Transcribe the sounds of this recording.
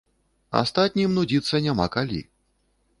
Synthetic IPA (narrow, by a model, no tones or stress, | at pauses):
a̰st̪at̪ʲnʲimnud͡zʲit̪sːɐnʲama̰kalʲḭ